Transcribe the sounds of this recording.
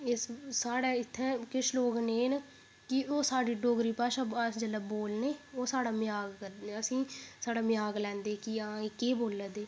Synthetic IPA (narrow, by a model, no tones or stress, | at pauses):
ɪssaːɽɛːɪt̪ʰːɛ̃ːkɪʃloːɡneːn | kɪoːsaːɖiːɖoːɡɾiːpaːʃaãːsd͡ʒələboːlneːoːsaːɽaːmɪjaːɡkəɾd̪əsĩːsaːɽaːmɪjaːɡlɛ̃ːnd̪eːkɪãːekeːboːləːd̪eː